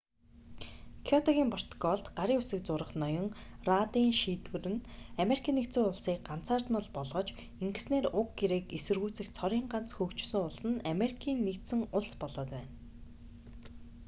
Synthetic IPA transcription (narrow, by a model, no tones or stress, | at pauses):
kʰɔt̪ʰɔɣʲiːmpʰɔr̥t̪ɡɔɮt̪ɢaɾiːʊsɘ̆k̚t͡sʊɾə̆χnɔjɞ̆ŋrat̪iːŋʃiːt̪wɘ̆rɘ̆nameɾikʰiːnːekt̪t͡sɘ̆ŋʊɮsiːk̚ɢam̥t͡sʰaːrt̪mə̆ɮpɔɮʁɞ̆t͡ɕ | iŋɡɘ̆sneːrʊkɡeɾeːkesɘ̆rɣuːt͡sɘ̆xt͡sʰɔɾiːŋɢan̥t͡sxɵkt͡ɕsɘ̆ŋʊɮsɘ̆nameɾikʰiːnːekt̪sɘ̆ŋʊɮspɔɮɔːt̪wæːn